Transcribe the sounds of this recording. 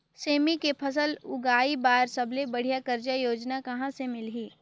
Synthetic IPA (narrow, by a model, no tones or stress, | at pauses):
seːmikepʰɐs̬əlʊɡaːibaːɾsɐblebɐɽ̤ijakɐɾd͡ʒajoːd͡ʒnakɐɦãsemɪlɦiː